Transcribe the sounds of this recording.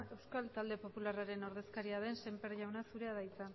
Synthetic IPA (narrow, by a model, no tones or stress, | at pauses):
e̞wskalt̪ald̪e̞po̞pularaɾe̞no̞ɾð̞e̞skaɾiað̞e̞nsempeɾʎawnasuɾe̞aðajt͡sa